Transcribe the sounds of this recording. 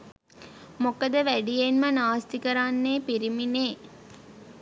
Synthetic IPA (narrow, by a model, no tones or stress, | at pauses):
mokəd̪əʋæɖijenmənaːst̪ikəɾanːeːpiɾimineː